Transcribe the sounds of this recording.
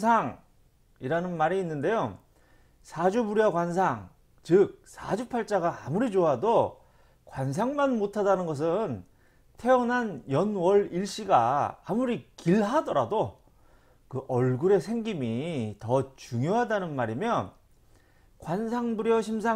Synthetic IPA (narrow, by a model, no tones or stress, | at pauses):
sʰaŋ | iɾanɯnmaɾiːnːɯnde̞jo | sʰad͡ʑubuɾjʌkwansʰaŋ | t͡ɕɯk̚sʰad͡ʑupʰaɭt͡ɕ͈aɡaamuɾid͡ʑoɦado | kwans̬ʰaŋmanmotʰadanɯnɡʌs̬ʰɯn | tʰe̞ʌnɦanjʌnwʌɾiɭɕ͈iɡa̰ːmuɾikiɭɦadʌɾado | kɯʔʌɭɡuɾe̞sʰeŋɡimitʌt͡ɕuŋjoɦadanɯnmaɾimjʌn | kwansʰaŋbuɾjʌɕ̬ʰimsʰa